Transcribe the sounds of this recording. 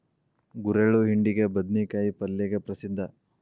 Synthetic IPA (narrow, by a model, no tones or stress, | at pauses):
ɡuɾeɭuɦiɳɖiɡebɐd̪nikaːjipɐlːɛɡepɾɐsid̪ʱːɐ